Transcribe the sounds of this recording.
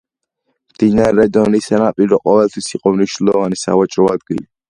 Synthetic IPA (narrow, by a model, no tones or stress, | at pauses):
md̪̥inaɾɾɛd̪ɔnisɛnapʼiɾɔqʼɔvɛlt̪ʰwisiqʼɔmniʃnlɔvanisa̰vat͡ʃʼɾɔad̪ɡḭli